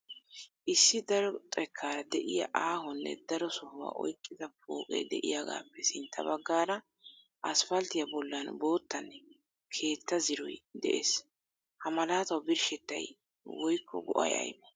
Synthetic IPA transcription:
ʔɪsːɪd̪ɐɾɔt̪ʼɛkʰːaːɾɐd̪ɛʔɪjɐ̰ʔaːɦɔnːɛ̰d̪ɐɾɔsɔhʊwa̰ːʔɔ̰jkʼːɪd̪ɐp̚o̰ːkʼɛ̰jd̪ɛʔɪ̰jaɡa̰ːpːɛsɪnt̪ʰːɐbɐɡːaːɾɐ | ʔɐsfɐlt̪ɪjɐbɔlːɐnbo̞ːt̪ːɐn | kʰe̞ːt̪ːɐzɪɾɔ̰jd̪ɛʔḛs | hɐmɐlaːt̪ɐwbɪɾʃɛt̪ːɐ̰j | wɔjkʰːɔ̰ɡɔʔɐ̰jɐ̰jmɛ

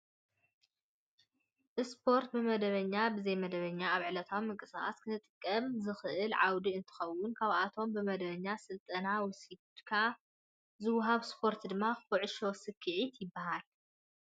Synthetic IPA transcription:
ʔɨspʰo̞ɾt̪̚bɨmɐd̪ɐβɐɲːabɨzɐjmɐd̪ɐβɐɲːaaβʕɨlɐt̪ʰawmɨŋkʼɨsaxa̰skʰɨnʰɨt̪ʼɨkʼːɐmzɨxʔɨlʕawd̪iɨnt̪ʰɨ̥xɐwːʊnkʰaβʔat̪ʰo̞mbɨmɐd̪ɐβɐɲːasɨlt̪ʼɐnawɔsi | kʰaa | zɨwːʊɦaβspʰo̞ɾt̪ʰd̪ɨmːaxfɔʕɨʃosɨkʰɨʕit̪ʰjɪbːahal

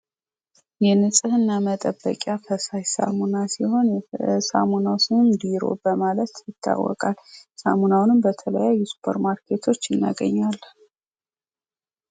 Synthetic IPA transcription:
jɛnɨsʼɨhɨnːamət̪ʼəbːə̰kʼjafəsajsa̰munasiho̞nsa̰munawsɨnɨmd̪iɾo̞̰bəmalət̪jɪt̪ʰːa̰wːɔ̰kʼalsa̰munawnɨmbət̪ʰələjajːusu̥pʰəɾmaɾkʰe̞t̪ʰo̞t͡ʃːɪnːa̰ɡə̰ɲːal

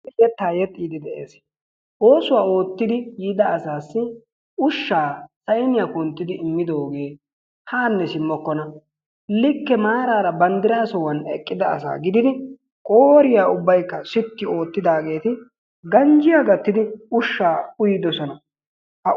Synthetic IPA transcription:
jɛt̪ːaːjɛt̪ʼːiːd̪ɪd̪ɛʔḛːs | ʔo̞ːsʊwaːo̞ːt̪ːɪd̪ɪjiːd̪ɐːsaːsːɪ | ʊʃːaːsɐjnɪjaːkʊnt̪ːɪd̪ɪɪmːɪd̪o̞ːɡeː | haːnːɛsɪmːɔkːɔnɐ | lɪkːɛmaːɾaːɾɐbɐnd̪ɪɾaːsɔwɐnɛkʼːɪd̪ɐɐ̰sa̰ːɡɪd̪ɪd̪ɪ | kʼo̞ːɾɪjaːʊbːɐjkːɐsʊt̪ːɪo̞ːt̪ːɪd̪aːɡe̞ːt̪ɪ | ɡɐnd͡ʒɪjaːɡɐt̪ːɪd̪ɪʊʃːaːʊjɪd̪ɔsɔnɐ | hɐ

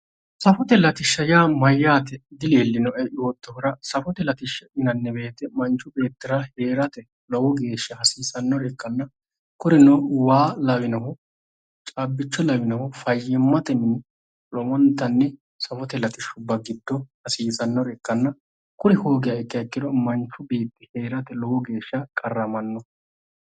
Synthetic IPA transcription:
sɐfɔt̪ɛlɐt̪ɪʃːɐjaːmɐjːaːt̪ɛd̪ɪleːlːɪnɔʔɛʔoːt̪ːɔhʊɾɐsɐfɔt̪ɛlɐt̪ɪʃːɐʔɪnɐnːɛbe̞ːt̪ɛmɐnt͡ʃːʊbe̞ːt̪ːɪɾahe̞ːɾɐt̪ɛ | lɔwɔɡe̞ːʃːɐhɐsiːsɐnːɔɾɛkːɐnːɐ | kʊɾɪnɔwaːlɐwɪnɐɦɔ | t͡ʃʼabːɪt͡ʃːɔlɐwɪnɐhɔfɐjːɛmːɐt̪ɛnɪn | lɔmɔnt̪ːɐnːɛ | sɐfɔt̪ɛlɐt̪ɪʃʊbːɐɡɪd̪ːɔhɐsiːsɐnːɔɾɛkːɐnːɐ | kʊɾɪhoːɡɪjɐɛkʼːɪjɐkʼːɪd̪ɔmɐnt͡ʃːʊbe̞ːt̪ːɪhe̞ːɾɐt̪ɛlɔwɔɡe̞ːʃːɐkʼɐrːɐmɐnːɔ

